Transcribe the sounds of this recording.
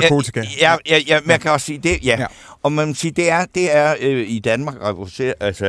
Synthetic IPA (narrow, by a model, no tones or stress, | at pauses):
t͡sʰi̥kææjæjæmænkʰæɒ̽ssiːd̥e̝jæ | ɒ̽mænmosiːd̥e̝æɐd̥e̝æɐid̥ænmɑ̈ːɡ̥ʁɛʋolse̝̰ɐʔælsə